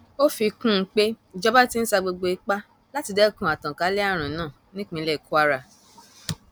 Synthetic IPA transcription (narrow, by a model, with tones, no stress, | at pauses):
o˦fi˧kũ˦k͡pe˦˨d͡ʒɔ˦ba˦ti˦n̩˦sa˧ɡ͡bo˧ɡ͡bo˧i˦k͡pa˦ | la˦ti˧dɛ˦˨kũ˧˦a˨tã˨ka˨˦lɛ˦a˦˨ɾ̃ã˨nãː˦˨nĩ˦k͡pĩ˧˦lɛ˦˨ku˦a˦ɾa˧˨